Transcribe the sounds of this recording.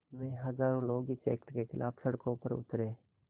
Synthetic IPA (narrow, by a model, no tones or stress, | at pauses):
mẽːɦɐzaːɾõloːɡit͡ʃɛ̰ːkʈkexɪlʔa̰ːbsɐɽkõpəɾʊ̰t̪ɾeː